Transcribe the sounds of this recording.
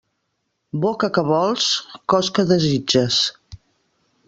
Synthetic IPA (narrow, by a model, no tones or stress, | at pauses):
bokəkəβɔlˠskɔskəðəzid͡ʒəs